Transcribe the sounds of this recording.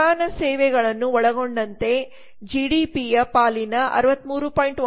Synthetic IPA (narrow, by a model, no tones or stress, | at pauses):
aːnɐsɛːʋɛɡɐɭɐnːuɔɭɐɡoɳɖɐnt̪e̞ | d͡ʒiːɽiːpijɐpaːlinɐʔɐ̰ɾuʋɐt̪ːmuːɾupaːjɳʈ